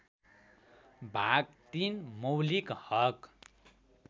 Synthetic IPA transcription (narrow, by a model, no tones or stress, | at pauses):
bʱaɡ̚t̪inmʌwlikhʌk